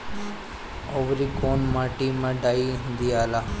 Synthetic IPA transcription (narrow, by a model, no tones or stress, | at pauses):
oʋɾikoːnmaːʈimãɖaːĩnd̪iaːlaː